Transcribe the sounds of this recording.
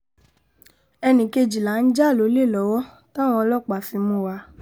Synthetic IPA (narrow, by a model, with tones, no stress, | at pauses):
ɛ˧nĩ˨ke˧d͡ʒi˨la˨˦n̩˦d͡ʒa˦˨lo˨˦le˦˨lɔ˨˦wɔ˦ | tã˦w̃ɔ̃˧˦lɔ˦˨k͡pa˨fi˧mũ˧˨wa˧˦